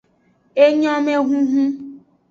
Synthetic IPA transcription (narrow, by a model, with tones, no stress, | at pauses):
e˦ɲɔ˦me˦ɦũ˦ɦũ˦